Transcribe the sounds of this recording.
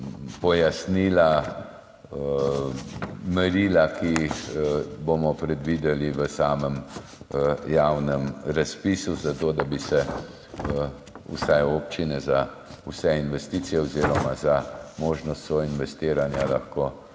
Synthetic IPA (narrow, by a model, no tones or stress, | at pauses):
pɔjasniːla | mɛɾiːlaki | bomɔpɾɛd̪ʋid̪ɛliʋəsaːməm | jawnəmɾaspiːsuzat̪oːd̪abisɛ | ṵsɛjoːpt͡ʃinɛza | usɛinʋɛst̪iːt̪sijɛwziːɾɔmazamoːʒnɔst̪sɔinʋɛst̪iːɾanjalaxkoː